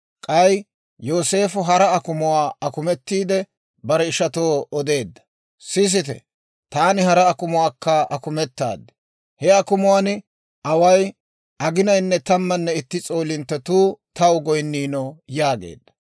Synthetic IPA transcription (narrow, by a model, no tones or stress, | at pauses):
kʼɐj | jo̞ːse̞ːfʊɦɐɾɐːkʊmʊwaːɐkʊmɛt̪ːiːd̪ɛ | bɐɾɛɪʃɐt̪oːɔd̪e̞ːd̪ːɐ̥ | sɪs̬ɪt̪ɛ̰ | t̪aːnɪhɐɾɐːkʊmʊwaːkːɐɐkʊmɛt̪ːa̰ːd̪ːɛ̥ | hɛɐkʊmʊwan | ʔɐwɐj | ʔɐɡɪnɐjnːɛt̪ɐmːɐnːɛɪt̪ːɪt͡sʼo̞ːlɪnt̪ːɐt̪uːt̪ɐwɡɔjnːiːnɔjaːɡḛːd̪ːɐ̥